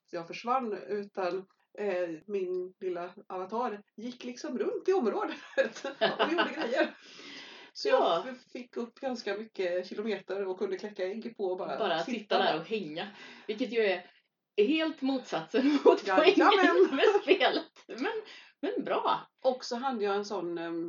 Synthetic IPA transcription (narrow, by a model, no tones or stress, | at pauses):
jɑːɡfœʂvanːʉ̟ːt̪an | mɪnlɪlːaavant̪ʰɑːɾjɪkːlɪksɔmɾɵnt̪ɪɔmɾoːd̪ət̪ɔvɪjud̪əɡɾɛjːəɾ | sɔjɑːfɪkːɵpːɡanskamʏkːəɕɪlʊmeːt̪əɾɔkʰːɵnd̪əkʰlɛkːaɪnɡpʰɔɔbɑːɾabɑːɾaat̪sɪt̪ːad̪æːɾɔhɛŋːavɪlk̬ːət̪jɑːɛɾ | ɦeːlt̪muːt̪sat̪sənmʊt̪ɔɾɪŋəmɛsfeːlət̪mɛn | mɛnbɾɑːʔɔksɔɦad̪ːəjɑːɛnsɔnː